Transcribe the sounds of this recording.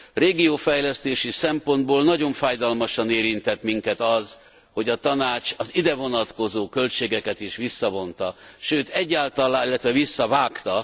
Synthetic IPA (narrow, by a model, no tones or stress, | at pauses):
reːɡijoːfɛjlɛst̪eːʃisɛmpo̞nd̪̚boːlnɒɟo̞ɱfaːjd̪ɒlmɒʃɒneːɾint̪ɛt̪miŋkɛt̪ɒz | ho̞ɟɒt̪ɒnaːt͡ʃɒzid̪ɛvo̞nɒt̪ko̞zoːkø̞lt͡ʃeːɡɛkɛt̪iʃʋisːɒvo̞nt̪ɒʃøːt̪ɛɟːaːlt̪ɒlaːilːɛt̪ʋɛvisːɒvaːkt̪ɒ